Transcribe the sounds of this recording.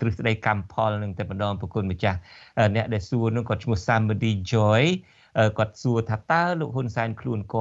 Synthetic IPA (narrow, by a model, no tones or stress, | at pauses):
t̪rɨhsɗəjkampʰɑlnɨŋt̪aːɛməɗɑːŋpɔkuənmət͡ɕahʔəːnɛ̆əʔɗaɛlsuənɨŋkɔət̪̚t͡ɕʰmuəhsamːəɗiːd͡ʑɔj | ʔəːkŏət̪̚suət̪ʰaːt̪aəloːk̚ɦunsaɛnkʰluənkŏ